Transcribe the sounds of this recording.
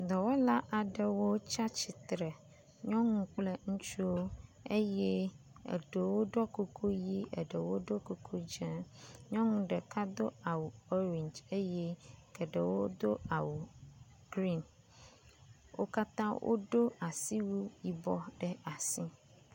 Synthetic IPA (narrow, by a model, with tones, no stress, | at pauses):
d̪ɔ˨wo˦la˦ʔa˨ɖɛ˨wo˦t͡ʃa˦t͡ʃi˨t̪ɾɛ˨ | ɲɔ̃˦ŋũ˦k͡ple˦ŋũ˦t͡ʃu˦wo˦e˦jɛ˦ | ḛ˨ɖe˨wo˦ɖɔ˦ko˦kʰo˦ji˦ɛ˨ɖɛ˨wo˦ɖo˦ko˦kʰo˦d͡ʒɛ̃˦ɲɔ̃˦ŋũ˦ɖɛ˨ka˦d̪o˦a˨wu˨o˦ɾĩ˨ɲd͡ʒe˦jɛ˦kɛ˨ɖɛ˨wo˦d̪o˦a˨wu˨ | ɡɾi˦n | wʔo̰˦ka˦t̪ã˦wʔo̰˦ɖo˦a˨si˦wu˦ji˨bɔ˦ɖɛ˨a˨sĩ˦